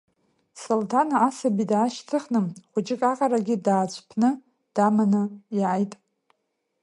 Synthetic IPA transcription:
soltʰanaasabidaːʃtʰɨχnɨmχʷʊt͡ʃʼɪkʼaqʼaɾaɡʲɪdaːt͡ɕʷʰʼpʰnɨ | d̥amanɨiʕajtʼ

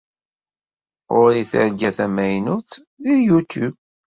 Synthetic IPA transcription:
ʊɾiθə̰ɾɡæθæmæjnut͡s | ðiðjut̪ub

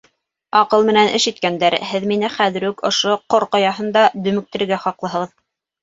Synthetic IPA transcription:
ɑqɤlˠmɘ̆nænʔɘ̰̆ʃɘ̆t̪̚kænd̪æɾhɘðminɘχæðɘ̆ɾʉkŏʃoqoɾqojɑɦɤ̆nd̪ɑd̪ɵ̆mɘ̆k̚t̪ɘ̆ɾɘ̆ɡæχɑqlˠɤ̆ɦɤʁð

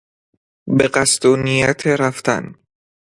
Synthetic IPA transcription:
beɢæst̪uːnijæt̪ʰeɾæft̪æ̰n

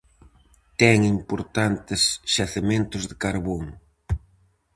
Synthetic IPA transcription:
t̪ɛŋimpoɾt̪ant̪ɪsʃaθemẽnt̪ʊzðɪkaɾβoŋ

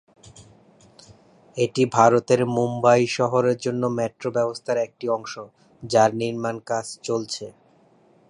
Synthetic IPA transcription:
eʈibʱaɾot̪eɾmumbajʃɔɦoɾeɾd͡ʑonːomɛʈɾobɛbost̪ʰaɾɛk̚ʈiɔŋʃo | d͡ʑaɾniɾmankat͡ɕt͡ɕolt͡ɕʰe

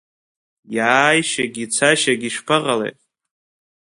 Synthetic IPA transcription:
jaːjʃaɡʲit͡sʰaʃaɡʲiʂpʰaʁalḛjtʼ

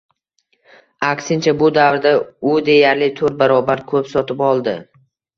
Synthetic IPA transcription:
aksɪnt͡ʃʰabʊd̪avɾd̪aʊd̪e̞jaɾlɪt̪ʰɵɾt̪̚baɾɒbaɾkʰɵpsɒt̪ʰɪpɒlˠd̪ɪ

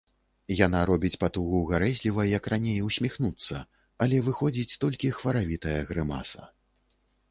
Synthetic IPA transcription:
janaɾɔbʲit͡sʲpat̪uɣuɣaɾɛzʲlʲivɐjɐkranʲejwsʲmʲixnut̪sːɐ | ɐlʲɛvɨxɔd͡zʲit͡sʲt̪ɔlʲkʲixvɐɾavʲit̪ɐjɐɣɾɨma̰sɐ̰

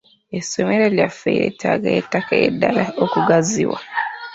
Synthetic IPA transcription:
esomeɾeljafeiɾḛtʰaɡaetakajedalaokuɡaziwa̰

